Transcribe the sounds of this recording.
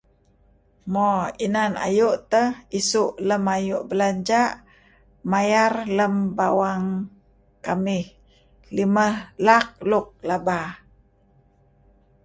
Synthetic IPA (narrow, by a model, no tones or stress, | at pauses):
mɔinana̰juʔt̪əhisuʔləmajuʔbəlaɲd͡ʒaʔ | majarləmbawaŋ | kamɪh | liməhlak̚lʊk̚laba